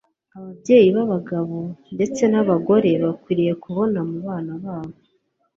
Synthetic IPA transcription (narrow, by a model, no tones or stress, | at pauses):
aβabɟe̞ːjiβaβaɡaβo̞nde̞t͡se̞naβaɡo̞ɾe̞βakwiːɾije̞kuβo̞namuβaːnaβaːβo